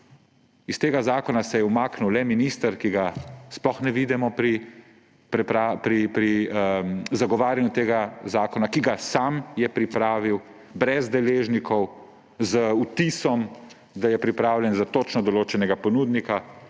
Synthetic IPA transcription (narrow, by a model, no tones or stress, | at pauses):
ist̪eːɡazaːkɔnasɛjɛumaːknuwlɛminist̪əɾkiɡasplɔxnɛʋiːd̪ɛmɔpɾi | pɾɛpɾapɾipɾiəzaɡɔʋaːɾjanjut̪eːɡazaːkɔnakiɡasamjɛpɾipɾaːʋiw | bɾɛzd̪ɛleːʒnikʰɔw | zəut̪isɔm | d̪ajɛpɾipɾaːwljɛnzat̪oːt͡ʃnɔd̪ɔloːt͡ʃɛnɛɡapɔnud̪nika